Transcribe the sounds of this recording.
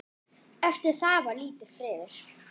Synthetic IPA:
ɛft̪ɪɾ̥θaːvaliːt̪ɪθɾɪːðɪɾ̥

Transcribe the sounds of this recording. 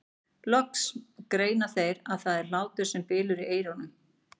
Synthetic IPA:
lœkskɾeːjnḁθejɾaðθaðɛɾ̥laːwt̪ʏɾ̥sɛmpɪːlʏɾiʔeːjɾɔnʏm

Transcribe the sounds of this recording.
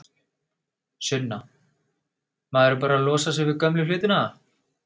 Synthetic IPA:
sʏnːa | maðɛɾʏp̬aːɾaalɔːsas̬ɛvɪkœmlɪflɪːt̪ɪnaa

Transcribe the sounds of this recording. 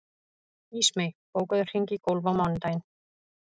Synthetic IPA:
iːsmejpoːwkaðʏr̥hiŋcɪkowlvawmɔnt̪ajn

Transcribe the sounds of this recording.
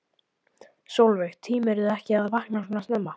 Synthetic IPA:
sowlvɛxt̪ʰiːmɛɾðɛhcɪaðvahknanasnɛmːa

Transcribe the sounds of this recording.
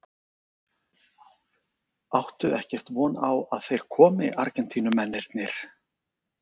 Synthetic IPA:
awht̪ʏɛhcɛr̥t̪vɔːnawaðθejɾ̥kʰɔːmɪʔaɾcɛnt̪ʰiːnʏmɛnːɛlt̪nɪɾ̥

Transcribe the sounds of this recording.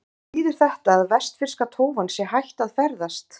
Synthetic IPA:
iːðɪɾ̥θɛht̪aːðvɛst̪fɪr̥skat̪ʰoːwvansjɛhajht̪aðfɛɾðast̪

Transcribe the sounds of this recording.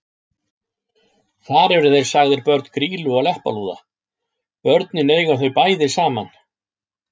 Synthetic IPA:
θaɾɛvɾʏθejɾ̥saɣðɪɾpœɾt̪n̥kʰɾiːlʏɔɣlɛhpa̰luːða̰ | pœɾt̪nɪneːjɣawθœɥpaːjðɪsaːman

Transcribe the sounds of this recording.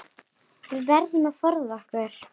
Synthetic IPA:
θɪvɛɾðʏmafɔɾðɔhkvʏɾ̥

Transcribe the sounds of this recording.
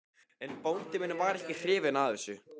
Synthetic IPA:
ɛnpownt̪ɪmɪnːʏvaɾɛhcɪθɾɪːvɪnaðɛsʏ

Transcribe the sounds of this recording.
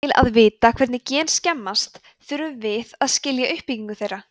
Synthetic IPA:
ɪla̰ðvɪːt̪akʰvɛɾt̪nɪcɛːnscɛmːast̪ | θʏɾʏmvɪðaðscɪljaʔʏhpːiciŋkʏθejrːa

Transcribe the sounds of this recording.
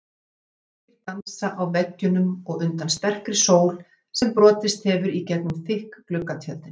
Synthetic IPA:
ɪɾt̪ansaʔawvɛcːʏnʏmɔɣʏnt̪anst̪ɛr̥kɾɪsoːwl̥ | sɛmpɾɔːt̪ɪst̪hɛvʏɾicɛk̪nʏmθɪhkːlʏkːat̪ʰjœlt̪ɪn

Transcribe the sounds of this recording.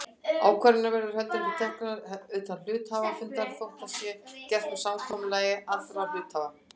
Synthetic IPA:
aːwkʰɛɾɪnavɛɾðʏɾ̥hɛlt̪ɪɾfit̪ʰɛhknnaʏːt̪anlʏːt̪haːvafʏnt̪aɾfɔrt̪asjɛcɛr̥t̪ɔsawk̪ʰɔmʏlɛːjɪaθɾawl̥ʏːt̪haːva

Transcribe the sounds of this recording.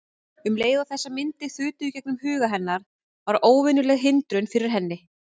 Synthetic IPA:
ʏmleːjðawθɛsːamɪnt̪ɪθʏːt̪ʏcɛk̚nʏmhʏːɣaɦɛnːaɾ̥ | vaɾoːwvɪnʏlɛɣɦɪnt̪ɾʏnfɪɾɪɾ̥ɦɛnːɪ

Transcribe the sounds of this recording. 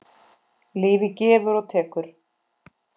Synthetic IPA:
liːvɪcɛːvʏɾɔɣt̪ʰɛːkʏɾ̥

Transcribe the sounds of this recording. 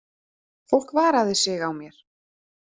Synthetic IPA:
fowl̥kvaːɾaðɪsɪɣawmjɛɾ̥

